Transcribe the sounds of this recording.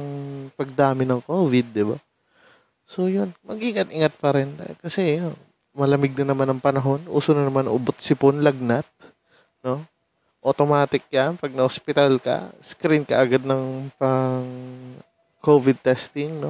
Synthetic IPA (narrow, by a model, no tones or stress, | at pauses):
ɐŋpɐɡ̚d̪aːmɪnɐŋkoːvɪd̪̚ːɪba̰ | so̞jonmɐɡʔiŋɐt̪ʔɪŋat̪̚pɐɾɛnd̪a̰kɐsɛjon | mɐlɐmɪɡ̚nɐnɐmanɐŋpɐnɐɦo̞nʔṵːsonɐnɐmanʔʊbot̪̚sɪponlɐɡ̚nat̪̚ | no̞ | ʔot̪omaːt̪ɪk̚kapɐɡ̚nɐhospɪt̪alkɐ̰skɾinkɐ̰ʔɐɡad̪̚nɐŋpɐŋ | kovɪd̪̚t̪ɛst̪ɪŋno̞